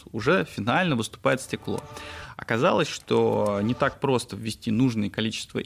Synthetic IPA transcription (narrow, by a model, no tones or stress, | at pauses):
ʊʐɛfʲɪnalʲnəvɨst̪ʊ̥pajɪt̪sʲtʲɪklˠo̞̰ɐ̰kɐzalˠəsʲʂt̪onʲɪt̪ak̚pɾo̞st̪əvʲɪsʲtʲinuʐnɨjəkɐlʲit͡ɕɪ̥st̪və̰